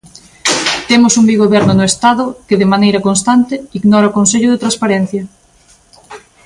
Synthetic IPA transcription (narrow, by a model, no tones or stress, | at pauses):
t̪emʊsuŋbiɣoβɛɾnʊnʊest̪aðʊkɪðɪmanejɾɐkonst̪ant̪ɪiɣnɔɾaokonseʎʊðɪt̪ɾaspaɾen̟θjɐ